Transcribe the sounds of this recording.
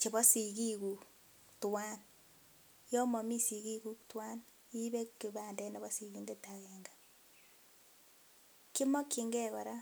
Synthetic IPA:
t͡ʃe˨βɔ˦si˨ki˦ku˨ | twa˦n | jɔ˦mɔ˨mi˦si˨ɣi˦ku˦ktwa˦n | i˦βe˦ki˨βa˨ndɛ˦na˨βɔ˦si˨ɣi˨nde˦ta˨ɣɛŋɡa˨ | ki˦mɔ˦ki˨ŋɡɛ˦kɔ˨ɾa˦

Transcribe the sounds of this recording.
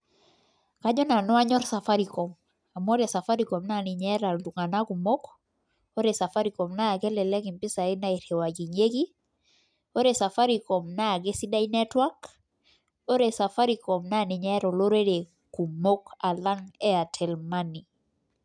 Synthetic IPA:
ka˦ɲɔ˦na˨nɔ˦a˦ɲɔ˦ɾsa˨fa˦ɾi˨kɔ˨m | a˨mɔ˦ɾe˨sa˨fa˦ɾi˨kɔ˨mna˦˨ni˨ɲɛ˦ɾa˨ldu˨ŋa˨na˦ku˨mo˦k | o˦ɾesa˨fa˦ɾi˨kɔ˨mnaː˦˨ɡɛ˦lɛ˨lɛ˦ki˨mpi˦sa˨ɛ˦na˦i˨ɾɛ˨wa˨ɡi˨ɲe˦ɡi˦ | o˦ɾe˨sa˨fa˦ɾi˨kɔ˨mnaː˦˨ɡe˦si˦da˦i˦nɛ˦twa˦k | o˦ɾe˨sa˨fa˦ɾikɔ˨mna˦˨ni˨ɲɛ˦ɾɔ˨lo˦ɾe˦de˨ | ku˨mo˦ka˨la˦ŋɛ˦a˨tʰɛ˨lmani˨

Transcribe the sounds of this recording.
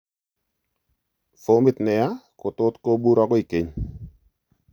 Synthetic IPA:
fo˨˦mɪ˦tnɛ˨ja˦ko˨to˦tko˦bu˦ɾa˦kɔ˦i˨ke˨ɲ

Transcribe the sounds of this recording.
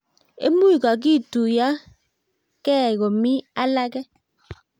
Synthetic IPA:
ḛ˦mu˦i˨ka˨k̬i˦˨tu˨ja˦ | kɛ˦˨ɣo˨mi˦a˦la˦kɛ˦

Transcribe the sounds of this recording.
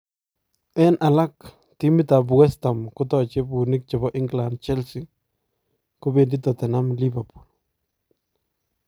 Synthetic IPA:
ɛ˦nʔa˨la˦k | ti˦mi˦ta˨bwɛ˦sta˨mkʊtɔ˨t͡ʃe˦bu˨ni˦k̚t͡ʃɔ˨bɔ˦ʔi˦ŋɡla˨nd̚t͡ʃɛ˦lsi˨ | kobe˨ndi˦tɔ˨tɛ˨na˦mli˦bapu˨l

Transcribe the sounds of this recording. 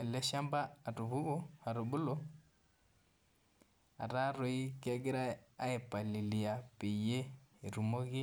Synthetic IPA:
e˨le˦ʃa˦mbaː˦˨tu˨βu˦ɡu˦a˨ɾo˨bu˦lo˦ | a̰˨ɾa˦ɾo˨i˦ke˦ɡi˦ɾa˦a˦e˨pa˨li˨li˨ja˨pe˨je˦˨ɾu˨mo˦ɡi˦

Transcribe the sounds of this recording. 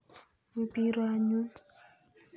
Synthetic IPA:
u˨pi˦ɾwa˦ɲu˦

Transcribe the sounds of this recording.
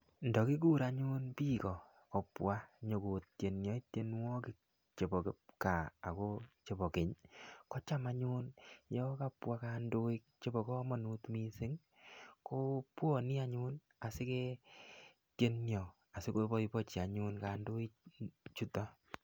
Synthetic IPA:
ndɔ˨ki˦k̬u˦ɾa˨ɲu˦npi˦kɔ˨ | kɔ˨pwa˦ɲo˨ko˨t̚t͡ʃje˨nɲjɔ˨i˦tje˦nwɔ˦ki˨ | t͡ʃe˨bɔ˨ke˨ka̰ː˨ko˦t͡ʃe˨bɔ˨kɪ˨ɲkɔ˦t͡ʃa˦ma˦ɲu˦njɔ˦ka˦˨pwa˦ka˦ndo˦i˦k̚t͡ʃe˦bɔ˨kɔ˦mɔ˨nu˦tmi˦sɪ˦ŋ | ko˦pwɔ˨ni˦a˦ɲu˦n | a˨sɪ˦kɛ˦ | te˦nːjɔ˨ | a˨sɪ˦ko˦bɔ˦i˧pɔ˦t͡ʃi˨a˨ɲu˦nka˨ndʊ˦i˦kt͡ʃu˦tɔ˦

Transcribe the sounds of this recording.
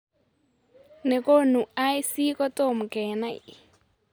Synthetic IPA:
ne˨ko˦nu˨a˦jsi˦kɔ˦to˦˨m˨kɛ˨na˦˨ḭ

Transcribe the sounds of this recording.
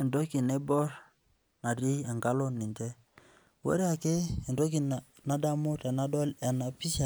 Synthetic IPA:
ɛ˨ndɔ˦ki˨ne˦bɔ˦ɾ | na˨ɾi˦ɛ˨ŋɡa˦lɔ˦ni˨ntɛ˦ | wɛ̰˦ɾa˨kɪ˦ɛ˨ndɔ˦k̬i˨n˨ | na˦da˦mʊ˦tɛ˨na˦dɔ˦lɛ˨na˨pi˦sa˨

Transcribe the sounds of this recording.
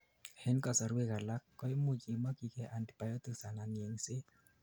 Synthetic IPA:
hɛ˦nkɔ˨sa˨ɾwe˨ka˨la˦kːɔ˦i˦mu˦t͡ʃi˨ma˦ki˨kɛ˧ʔa˨nd̪i̥˨pa˨jɔ˦t̪ɯ˨sa˨na˨ni˨ɛ˨ŋse˦

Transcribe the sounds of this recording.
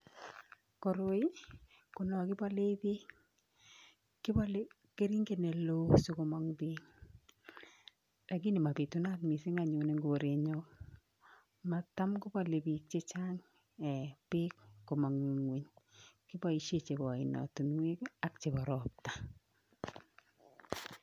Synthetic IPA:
ko˨ɾo˦i˦ | ko˨nɔ˨kɪ˦bɔ˦le˦bi˦ | kɪ˦bɔ˦l | ke˦ɾi˦ŋɡe˨ne˨lo˦su˦ko˦mɔ˦ŋbi˦ŋ | da˨ɡɪ˦nɪ˨ma˨pe˨tu˦na˦tmi˨sɪ˦ŋa˨ɲo˨ne˨ŋɡo˨ɾe˨ɲɔ˦ | ma˨ta˦mɡʊ˦bɔ˦le˨bi˨k̚t͡ʃe˦t͡ʃa˦ŋ | ɛ˨pɪ˦kko˨ma˨ŋi˨ŋwi˨ɲkɪ˦bɔ˦i˨ʃe˦t͡ʃe˨bɔ˨ɪ˨nɔ̰˨tu˨nŋwe˦ka˦kt͡ʃe˨bɔ˨ɾɔ˨p̚ta˨

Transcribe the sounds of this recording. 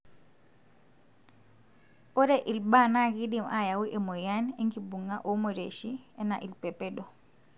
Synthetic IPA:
o˦ɾɛ˦ʔi˨lba˦˨na˦ɡi˦di˨mʔa˦˨ja˨wi˦ʔe˨mo˨ja˦ne˦ŋɡi˨bu˨ŋa˦ʔo˨˦mo˨ɾe˨ʃi˦ɛ˦na˨ʔi˨lpɛ˨pɛ˦dɔ˨

